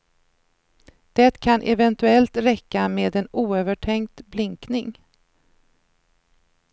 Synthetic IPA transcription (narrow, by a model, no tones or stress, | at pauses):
d̪̥ɛt̪kʰanʔɛvɛnt̪ɵɛlt̪ɾɛkːameːd̪ɛnuːøːvəʈʰɛŋk̚t̪blɪŋknɪŋ